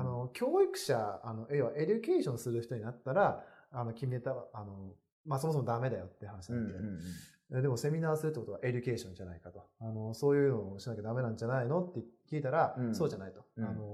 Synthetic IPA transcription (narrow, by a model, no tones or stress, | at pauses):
ano̞kʲʰo̞ːikɯ̟̥ɕaano̞ʔeoβaʔe̞d͡ʑɨke̞ːɕõ̞ɰ̃sɨɾɯ̟çi̥t̪o̞ɲ̟inat̪ːaɾaːno̞kʲimʲiet̪aaano̞ | mas̬o̞mosomod̪ame̞d̪ajo̞t̪ːejɯ̟hanaɕinaãe | ed̪e̞mo̞se̞mʲinaːsɨɾɯt̪ːekot̪aʔe̞d͡ʑɨke̞ːɕõ̞ɲd͡ʑanaikat̪o̞ano̞so̞ːjɯ̟ːnoːɕinakʲed̪ame̞nãnd͡ʑanaino̞t̪ːekʲiːt̪aɾaso̞ːʑanait̪o̥ano̞